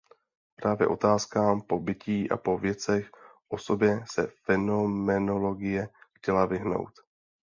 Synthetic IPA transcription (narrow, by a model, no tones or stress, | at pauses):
pɾaːvjɛ̰ʔo̞̰t̪aːskaːmpo̞bɪciːʔa̰po̞vjɛt͡sɛxʔo̞so̞bjɛsɛ̰fɛno̞mɛno̞lo̞ɡɪjɛxcɛlavɪɦno̞̰wt̪